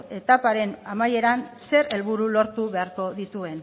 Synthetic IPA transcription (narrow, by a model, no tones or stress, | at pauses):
e̞t̪apaɾe̞namaje̞ɾanse̞ɾe̞lβuɾulo̞ɾt̪uβe̞aɾko̞ðit̪ue̞n